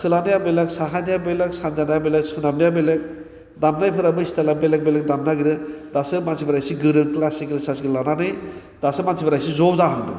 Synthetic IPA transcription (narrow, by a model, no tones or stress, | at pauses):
kʰɯlanɯjabelaksaɦanijabeleksanzanajabelek̚sunamnijabelek̚ | damnajpʰɯɾabɯistalabelek̚belek̚damnaɡiɾɯdasɯmansibɾajsiɡɯɾɯŋklasiklsasiɡillananɯj | d̥asɯmansʰibaɾajsizɔwzaɦɯndɯ̰